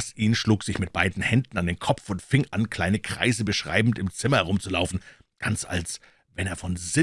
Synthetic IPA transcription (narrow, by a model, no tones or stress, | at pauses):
sʔiːnʃluːkz̥ɪçmɪt̚b̥aɪdn̩hɛndn̩andeːnkʰɔpp͡fʊntfɪŋʔa̰nkʰl̥aɪnəkʁ̥a̰ɪzəbəʃʁ̥a̰ɪbm̩tɪmt͡sɪmɐhɛʁʊmt͡sulaʊfn̩ | ɡ̥ant͡sa̰ls | vɛneːɐfɔnzɪ